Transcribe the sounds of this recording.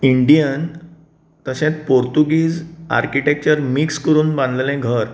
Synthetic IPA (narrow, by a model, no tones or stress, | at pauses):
iɳɖijən | t̪əɕẽt͡spoɾt̪uɡiːd͡za̰ɾkiʈek̚t͡ɕəɾmikskəɾuːnbãnd̪llɛ̃ɡʱəɾ